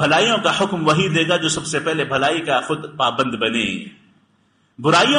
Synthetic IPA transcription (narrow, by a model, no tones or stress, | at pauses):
bʱɐlaːijõkahʊkmʋɐɦid̪eːɡad͡ʒoːsɐbsepɛɦlebʱɐlaːikaxʊd̪paːbə̃nd̪bɐnḛː | bʊɾaːijõ